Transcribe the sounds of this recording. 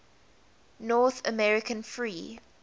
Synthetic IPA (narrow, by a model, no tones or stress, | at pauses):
nɔθə̰mɛɹɪkʰə̃nfɹiː